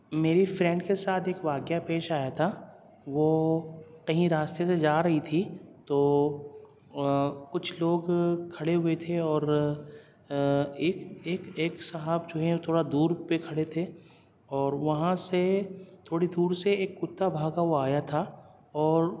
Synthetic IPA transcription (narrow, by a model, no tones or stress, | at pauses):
meːɾifɾɛ̃ɳɖkesaːt̪ʰeːkʋaːɡjapeːʃaːjat̪ʰa | ʋo | kɐɦĩɾaːst̪esed͡ʒaːɾɐɦit̪ʰit̪oː | kʊt͡ʃʰloːɡkʰɐɽeɦʊet̪ʰeɔːɾ | eːkeːkeːksɐɦaːbd͡ʒoːɦɛ̃t̪ʰoːɽad̪uːɾpekʰɐɽet̪ʰe | ɔːɾʋɐɦãset̪ʰoːɽid̪uːɾseeːkːʊt̪ːabʱaːɡaʋoaːjat̪ʰa | ɔːɾ